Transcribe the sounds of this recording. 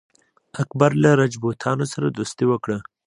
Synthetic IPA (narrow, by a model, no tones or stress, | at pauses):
akbaɾlaɾad͡ʒbot̪ʰɑnosaɾad̪ust̪ewəkɽə